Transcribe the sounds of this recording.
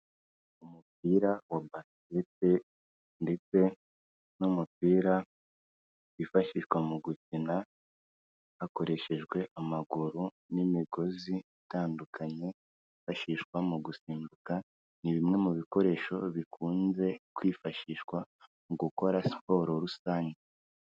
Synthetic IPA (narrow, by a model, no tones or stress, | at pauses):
umup̚iɾawabas | ete̞ | nde̞t͡se̞ | numupiːɾa | βifaʃiʃwamuɡut͡sina | hako̞ɾe̞ʃe̞ʒɡwe̞ʔamaɡuɾu | nimiɡo̞ziitaːndukʰaɲe̞ | ifaʃiʃkwamuɡusiːmbuka | niβimŋe̞muβiko̞ɾe̞ːʃo̞βikʰuːnze̞kwiːfaʃiʃwa | muɡuko̞ɾasi̥po̞ːɾo̞ɾusaːɲɟe